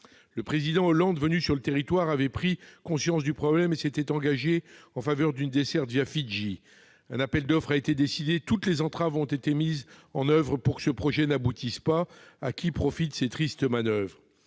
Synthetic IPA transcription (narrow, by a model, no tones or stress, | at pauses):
ləpχezid̪ɑ̃ɔlɑ̃d̪vənysyʁlət̪eʁit̪waʁavɛpχikɔ̃sjɑ̃sd̪ypχɔblɛmeset̪ɛt̪ɑ̃ɡaʒeɑ̃favœʁd̪ynd̪esɛʁt̪vjafiʒi | ɛ̃napɛld̪ɔfχaet̪ed̪esid̪et̪ut̪lezɑ̃t̪χavɔ̃t̪et̪emizɑ̃nœvʁəpuʁkə̥səpχɔʒɛnabut̪ispaakʲʰipχɔfit̪set̪χist̪əmanœvʁə